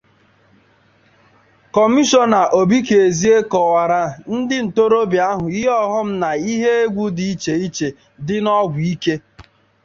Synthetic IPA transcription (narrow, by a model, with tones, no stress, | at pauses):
kɔ˨mi˦ʃɔ˦na˨ʔo˨bi˦ke˨e˨zi˦e˦kɔ˨wa˨ɾa˨n̩˦dɪ˦n̩˨to˦ɾo˦bja˦ɦʊ˨i˦ɔ˦ɦɔ˦m̩˦na˨i˦ɦe˦e˦ɡʷu˦di˨i˦t͡ʃe˨i˦t͡ʃe˨ | dɪ˦nɔ˦ɡʷi˦ke˦